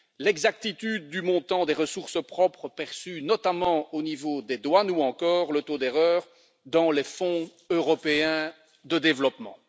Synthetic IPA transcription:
lɛɡzak̚t̪it̪yd̪ːymɔ̃t̪ɑ̃d̪eʁəsuʁsəpχɔpχəpɛʁsynɔt̪amɑ̃onivod̪ed̪wanuɑ̃kɔːʁlət̪od̪eʁœːʁ | d̪ɑ̃lefɔ̃ | øʁɔpeɛ̃ | d̪əd̪evlɔpmɑ̰̃

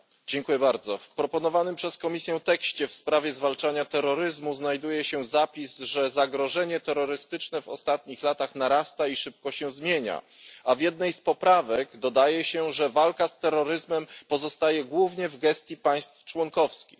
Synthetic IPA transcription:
d͡ʑɛŋkujɛbaɾd̪zɔfpɾɔpɔnɔvanɘmpʂɛskɔmʲisʲjɛ̃t̪ɛkɕt͡ɕɛfspɾavʲjɛzvalt͡ʂaɲat̪ɛɾːɔɾɘzmuznajd̪ujɛɕɛzapʲizʐɛzaɡɾɔʐɛɲɛt̪ɛɾːɔɾɘst̪ɘt͡ʂnɛvɔ̰st̪at̪ɲixlat̪axnaɾast̪aiʂɘp̚kɔɕɛzmʲjeɲa̰ | avʲjɛd̪̚nɛjspɔpɾavɛɡd̪ɔd̪ajɛɕɛʐɛvalkast̪ɛɾːɔɾɘzmɛmpɔzɔst̪ajɛɡwuvɲɛvɡɛst̪ʲjipaj̃st̪ft͡ʂwɔŋkɔfskʲix

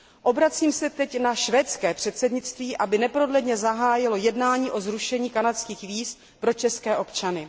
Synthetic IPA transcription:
ʔo̞bɾat͡siːmsɛt̪ɛcnaʃvɛːt̪t͡skɛːpr̝̥ɛt̪sɛdɲɪt͡st̪viːʔabɪnɛpɾo̞dlɛdɲɛzaɦaːjɪlo̞jɛdnaːɲiːʔo̞zɾuʃɛɲiːkanat̪skiːxviːst̪ | pɾo̞t͡ʃɛskɛːʔo̞pt͡ʃanɪ

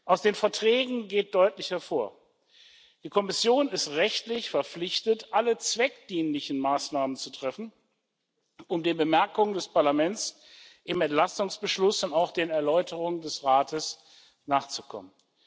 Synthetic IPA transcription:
ʔaʊsd̥eːnfɛɐtʁ̥ɛːɡŋ̩ɡeːt̚d̥ɔʏtlɪçɐfoːɐ | d̥iːkʰɔmɪsjoːnɪstʁɛçtlɪçfɛɐp͡flɪçtətʔalət͡sv̥ɛk̚d̥iːnlɪçn̩maːsnaːmənt͡sutʁ̥ɛfn̩ | ʔʊmdeːnbəmɛɐkʊŋəndɛspaɐlamɛnt͡s | ʔɪmɛntlastʊŋsb̥əʃlʊsʊntaʊxd̥eːnɛɐlɔʏtʰəʁʊŋəndɛsʁaːtəs | naːχt͡sukʰɔ̰mən

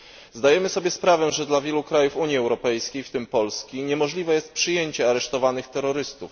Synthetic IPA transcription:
zd̪ajɛmɘsɔbʲjɛspɾavɛʐɛd̪lavʲjɛlukɾajufuɲjiɛwɾɔpɛjskʲejft̪ɘmpɔlskʲiɲɛmɔʐlʲivɛjɛst̪̚pʂɘjeɲt͡ɕɛaɾɛʂt̪ɔvanɘxt̪ɛɾːɔɾɘst̪uf

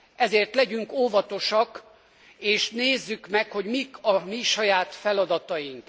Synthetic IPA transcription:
ɛzeːrt̪lɛɟyŋkoːvɒt̪o̞ʃɒk | eːʃneːzːykmɛkho̞ɟmikʰɒmiʃɒjaːt̪fɛlɒd̪ɒt̪ɒjiŋk

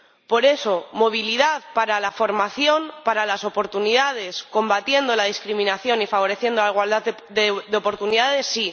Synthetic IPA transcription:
po̞ɾe̞so̞mo̞β̞iliðaðpaɾalafo̞ɾmaθjo̞npaɾalaso̞po̞ɾt̪unið̞að̞e̞sko̞mbat̪je̞nd̪o̞laðiskɾimĩnaθjo̞nifaβ̞o̞ɾe̞θje̞nd̪olaiɣwald̪a | ððeopo̞ɾt̪uniðaðe̞sːi

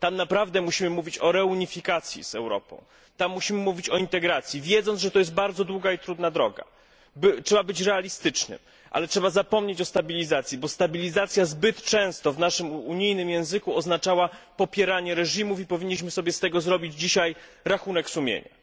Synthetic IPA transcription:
t̪amnapɾavd̪ɛmuɕimɘmuvʲit͡ɕɔɾɛuɲifʲikat̪sʲjḭzɛ̰wɾɔ̰pɔ̰̃w̃ | t̪amːuɕimɘmuvʲit͡ɕɔint̪ɛɡɾat̪sʲjivʲjɛd̪zɔnʐɛt̪ɔjɛs̬t̪̚baɾd̪zɔd̪wuɡait̪ɾud̪nad̪ɾɔɡa̰ | bɘtʂɛbabɘt͡ɕɾɛalʲist̪ɘt͡ʂnɘ̰m | ʔa̰lɛtʂɛbazapɔmɲet͡ɕɔst̪abʲilʲizat̪sʲjibɔst̪abʲilʲizat̪sʲjazbɘt̪t͡ʂɛ̃w̃st̪ɔvnaʂɘmuɲijnɘmjɛ̃w̃zɘkuɔznat͡ʂawapɔpʲjɛɾaɲɛɾɛʐimufipɔvʲiɲːiɕ̬mɘsɔbʲjɛst̪ɛɡɔzɾɔbʲid͡ʑd͡ʑiɕaj | ɾaxun̪ɛksumʲjḛɲa̰

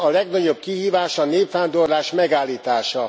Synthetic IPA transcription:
ɒlɛɡnɒɟo̞b̚kiɦiːvaːʃɒneːpfaːnd̪o̞rlaːʃmɛɡaːlːiːt̪aːʃɒ

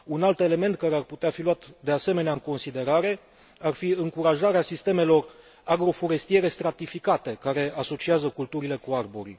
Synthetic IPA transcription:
unalt̪e̞le̞me̞nt̪̚kaɾe̞arput̪eafiluat̪d̪e̞ase̞me̞neaɨŋko̞nsid̪e̞ɾaɾe̞ | arfiɨŋkuɾaʒaɾeasist̪e̞me̞lo̞r | aɡɾo̞fo̞ɾe̞st̪ije̞ɾe̞st̪ɾat̪ifikat̪e̞kaɾe̞aso̞t͡ʃiazəkult̪uɾile̞kuarboɾḭ

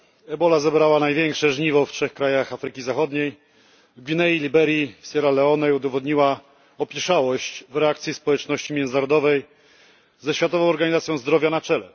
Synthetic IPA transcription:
ɛbɔlazɛbɾawanajvʲjɛŋkʂɛʐɲivɔftʂɛxkɾajaxafɾɘkʲizaxɔd̪ɲej | vɡvʲinɛilʲibɛɾjisɛɾalɛɔnɛjud̪ɔvɔd̪ɲiwa | ɔpʲjɛʂawɔɕt͡ɕvɾɛakt̪sʲjispɔwɛt͡ʂnɔɕt͡ɕimʲjɛnɘnaɾɔd̪ɔvɛj | zɛɕfʲjat̪ɔvɔ̃w̃ɔɾɡaɲizat̪sʲjɔ̃w̃zd̪ɾɔvʲjanat͡ʂɛlɛ

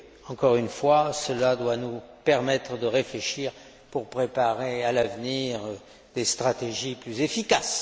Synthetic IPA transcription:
ɑ̃kɔʁynfwasəlad̪wanupɛʁmɛt̪χəd̪əʁefleʃiːʁ | puʁpχepaʁealavniʁ | d̪est̪χat̪eʒiplyzefikas

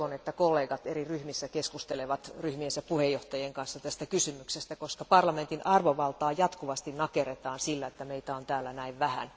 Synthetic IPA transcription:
onet̪ːækolːeːɡɑt̪eriryhmisːækeskust̪eleʋɑt̪ryhmiensæpuhejjoht̪ɑjeŋkɑnsːɑt̪æst̪ækysymyksest̪ækoskɑpɑrlɑment̪inʔɑrʋoʋɑlt̪ɑːjɑt̪kuʋɑst̪innɑkeret̪ɑːnsilːæet̪ːæmeit̪æont̪æːlːænæiʋʋæhæ̰n

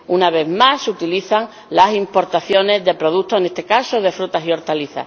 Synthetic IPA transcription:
unaβe̞ðmasut̪iliθaŋ | lasimpo̞ɾt̪aθjo̞ne̞zðe̞pɾo̞ð̞ut̪ːoene̞st̪e̞kasoðe̞fɾut̪asio̞ɾt̪aliθa̰

